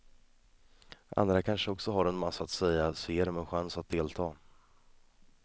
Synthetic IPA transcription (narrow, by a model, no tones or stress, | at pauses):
ʔa̰nd̪ɾakʰanʂəɔksɔɦaɾɛnmasːaːt̪sɛjːaseːɾmɛɧansat̪̚d̪eːlt̪ʰɑː